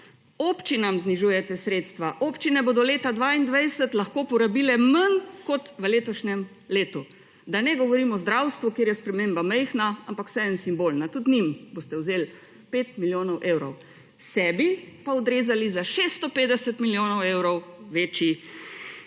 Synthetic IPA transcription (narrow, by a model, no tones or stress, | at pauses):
opt͡ʃinamzniʒuːjɛt̪ɛsɾeːt̪st̪ʋaʔoːpt͡ʃinɛboːd̪ɔleːt̪ad̪ʋaːind̪ʋɛjsət̪laxkoːpɔɾabiːlɛmənkɔt̪ʋəleːt̪ɔʃnɛm | leːt̪u | d̪anɛɡɔʋɔɾiːmɔzd̪ɾawst̪ʋukjeːɾjɛspɾɛmeːmbamɛjxnaampakw̥sɛɛnsimbolnat̪ut̪nimboːst̪ɛwzeːl | peːt̪miljoːnɔwʔewɾɔw | sɛːbipaɔd̪ɾeːzalizaʃest̪ɔpeːd̪ɛsət̪miljoːnɔwewɾɔwʋet͡ʃi